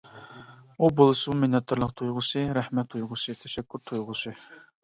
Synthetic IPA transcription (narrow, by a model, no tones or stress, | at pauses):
ubolˠɨsɨmmenɛt̪ʰːɨɾlˠəqt̪ʰujʁʊsɨɾɛhmɛt̪ʰːujʁʊsɨt̪ʰɛʃɛkʰʲːyɾt̪ʰujʁʊsɨ